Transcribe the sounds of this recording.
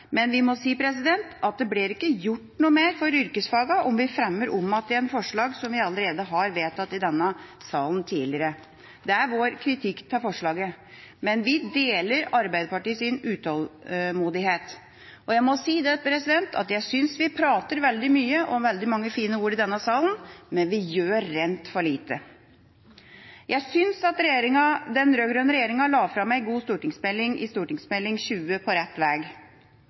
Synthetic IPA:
mɛnʋɪmɔsiːpʰɾɛs̬ɪd̪ɛnt̪ɑt̪̚d̪ɛblɪɾɪkːəjʊʈːnuːəmeːɾfɔɾʏɾkəsfɑːɡɑʔɔmʋɪfɾɛmːəɾʔɔmːɑt̪ːɪɛnfɔʂɭɑːɡsɔmʋɪɑlːəɾeːd̪əɦɑɾʋeːt̪ɑt̪ːɪd̪ɛnːəsɑːlnt̪ʰiːlɪəɾə | d̪ɛæɾʋoːɾkʰɾɪt̪ʰɪkːt̪ʰɑfɔʂɭɑːɡə | mɛnʋɪd̪eːləɾɑɾbæɪd̪əpɑʈiːsɪnʉːt̪ʰɑlmuːd̪ɪheːt̪ | ɔjæɪmɔsiːd̪ɛpʰɾɛsɪd̪ɛnt̪ʰɑ̰t̪jæɪsʏnsʋɪpʰɾɑːt̪əɾʋɛld̪ɪmyːəʔɔmʋɛld̪ɪmɑŋːəfiːnəuːɾɪd̪ɛnːɑsɑːlnmɛnʋɪjøːɾːɛnt̪fɔɭiːt̪ə | jʔæɪsʏnsɑt̪ɾɛjeːɾɪŋɑd̪ɛnɾøːɡɾøːnəɾɛjeːɾɪŋɑlɑːfɾɑmːæɪɡuːst̪uːʈɪŋsmɛlːɪŋʔɪ̰st̪uːʈɪŋsmɛlːɪŋɕʉːəpʰɔɾɛt̪ːʋæːɡ

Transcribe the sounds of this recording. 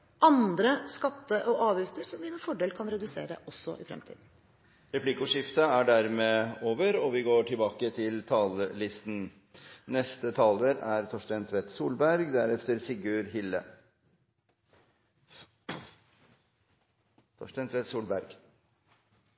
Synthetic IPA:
ʔɑnd̪ɾəskɑt̪ːəʔɔʔɑːʋjʏft̪əɾsɔmʋɪnəfɔɖeːlkʰɑnɾɛd̪ʉsḛːɾə̰ʔɔsːɔ̰ʔɪfɾɛ̰mt̪ʰḭːd̪n̩ | ɾɛpʰlɪkʊʂɪft̪əæɖæɾmeːoːʋəɾɔʋɪɡoːʈʰɪlbɑːkət̪ʰɪlt̪ʰɑːləlɪst̪n̩ | nɛst̪ət̪ʰɑːləɾæɾt̪ʰɔʂʈɛnt̪ʰʋɛt̪suːlbæɾɡd̪æɾɛft̪əɾsɪɡʉːɾɦɪlːə̰ | t̪ʰɔ̰ʂʈɛnt̪ʰʋɛt̪suːlbæɾɡ̥

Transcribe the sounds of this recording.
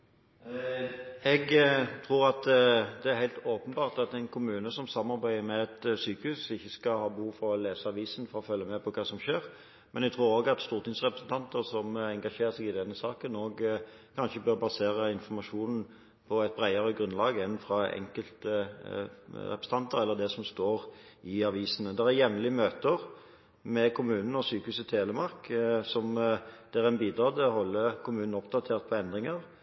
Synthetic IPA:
ɛɡt̪ʰʁuːɾɑt̪d̪ɛæɾhæɪlt̪oːpənbɑːʁt̪ɑt̪ɛɪnkʰʊmʉːnəsɔmsɑmːɑɾbæɪəmɛɛt̪syːkəhʉːsɪçːəskɑhɑːbəhuːʋfɔɾɔleːsəɑʋiːsənfɔɾɔfœlːəmɛpʰɔkʰɑːsɔmʃeːɾ | mɛnɛɡt̪ʰʁɾuːɾoːɡɑt̪st̪uːʁt̪ɪŋsʁɛpɾʁəsənt̪ʰɑnt̪əʁsɔmɛŋɡɑʃeːʁsɛɡɪd̪ɛnːəsɑːkənoːɡ | kʰɑnʃəbœʁbɑseːʁəɪnfɔɾmɑʃuːnn̩ | pʰɔɛt̪̚bɾæɪəʁəɡɾʉnlɑːɡəɛnfɾɑɛ̰ŋkəlt̪ə | ɾɛpɾəst̪ɑnt̪əʁɛlːəd̪ɛsɔmst̪oːʁɪɑʋiːsənəd̪ɛʁæɾjɛmlɪəmøːt̪əʁ | mɛkʰʊmʉːnn̩ɔsyːkəʉːsət̪ʰeːləmɑʁksɔmd̪̥ɛʁɛnbiːd̪ɾɑːd̪ɛɔhɔlːəkʰʊmʉːnn̩ɔpd̪ɑt̪ʰeːʁt̪̚pʰɔɛnd̪ʁɪŋəʁ

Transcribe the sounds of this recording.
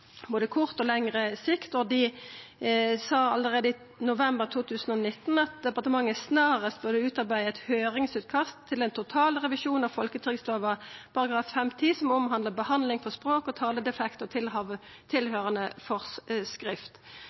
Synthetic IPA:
boːd̪əkʰʊʁt̪ɔlɛŋʁəsɪkt̪ɔd̪ɪ | sɑːɑləʁeːd̪əi | nʊʋɛmbəʁt̪ʰuːt̪ʰʉːsən̩ɔnɪt̪ːnɑt̪̚d̪ɛpɑʁt̪əmɑŋːəsnɑːʁəst̪̚bʉʁd̪əʉːt̪ɑʁbæɪɛt̪høːɾɪŋsʉːt̪̚kʰɑst̪ʰːɪlɛnt̪ʰʊt̪ʰɑːlʁɛʋɪʃuːnɑʋfɔlkət̪ʰʁɪɡsloːʋɑpʰɑʁɑɡʁɑːffɛmt̪ʰiːsɔmɔmɦɑnd̪ləbəhɑnlɪŋfɔʁspʁoːkɔt̪ʰɑːləd̪ɛfɛkt̪ɔt̪ʰɪlɑʋə | t̪ʰɪlhøːʁənəfɔʁsskʁɪft̪

